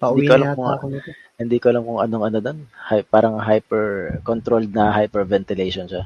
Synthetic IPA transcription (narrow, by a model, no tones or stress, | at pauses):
pɐʔ̪ikoɐlamkʊŋk | hɪnd̪iːkoʔɐlɐmkʊŋʔɐno̞ŋɐnod̪onhapaːɾɐŋɦajpɛɹkont̪ɾold̪̚nɐɦajpɛɹvɛnt̪ɪlɛʃonʃa